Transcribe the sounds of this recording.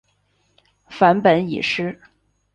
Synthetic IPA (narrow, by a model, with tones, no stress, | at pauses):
fa˧˥npə˧˥nḭ˨˩ʂɻ̩˥